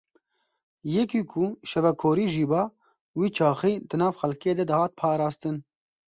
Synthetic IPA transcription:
jɛkiːkʰuʃɛvɛkʰoːɾiːʒiːbɑː | wiːt͡ʃʰɑːxiːd̪ɨnɑːvxɛlkeːd̪ɛd̪ɨhɑːt̪̚pʰɑːɾɑːst̪ɨn

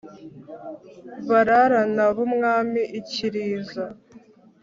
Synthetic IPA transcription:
βaɾaɾanaβumŋaːmiʔiciɾiːza

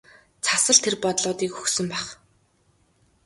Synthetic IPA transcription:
t͡sʰasə̆ɮt̪ʰerpɔt̪ɮʊːt̪iːkxɵ̥xsɵ̆mpæχ

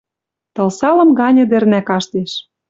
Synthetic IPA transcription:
t̪ɤ̆lsɑlɤ̆mɡɑnʲɤ̆d̪ɘ̆rnækɑʃt̪eʃ

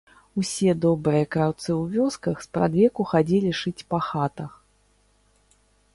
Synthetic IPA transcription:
usʲɛd̪ɔbɾɨjɐkɾawt̪sɨwvʲɔskɐxspɾa̰d̪vʲɛkuxad͡zʲɛlʲiʂɨt͡sʲpɐxat̪ɐx

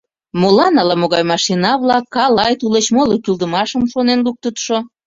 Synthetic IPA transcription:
molɑnɑlɑmoɣɑjmɑʃinɑβlɑkːɑlɑjt̪ulet͡ɕmolokyld̪əmɑʃəmʃonenluk̚t̪ət̪ʃo

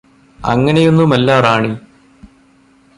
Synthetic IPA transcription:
ɐ̰ŋːɐne̞jo̞nːumɐlːaːraːɳi

